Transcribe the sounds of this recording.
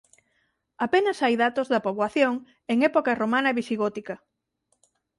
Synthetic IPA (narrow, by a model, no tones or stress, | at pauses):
apenɐsajðat̪ozðɐpoβwaθjoŋ | eŋɛpokɐromanɐβisiɣɔt̪ikɐ